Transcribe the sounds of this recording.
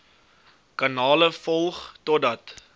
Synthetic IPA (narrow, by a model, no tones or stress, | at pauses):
kɐnɑːləfɔlˠχtɔdɐt